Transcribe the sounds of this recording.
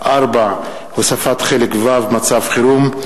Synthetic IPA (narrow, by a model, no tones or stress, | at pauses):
ʔaɾba | hosafat̪χelekvavmat͡savχiɾum